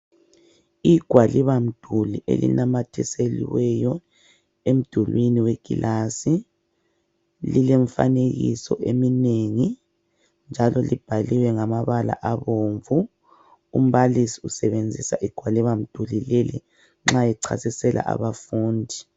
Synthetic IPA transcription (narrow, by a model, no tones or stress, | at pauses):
iɡ̥ʱwaliβam̩d̥ʱuliʔḛlḭnamatʰɛselḭwɛjɔ | em̩d̥ʱulwiniweɡ̥ʱḭlʔasi | lileɱfa̰neɣḭsɔ̰ʔemineŋi | nd͡ʒʱalɔlib̥ʱaliwɛŋamaβala̰ʔaβoːɱvu | um̩βalisi̥usɛβend͡zʱisaʔiɡ̥ʱwaliβam̩d̥ʱulilelḭ | ŋ͡ǁajɛǀʰa̰sisɛlʔa̰ʔa̰βafuːndʱi